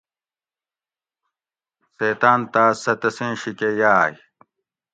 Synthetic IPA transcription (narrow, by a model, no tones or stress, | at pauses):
seːt̪aːnt̪aːsɐt̪ɐsẽːɕikejaːj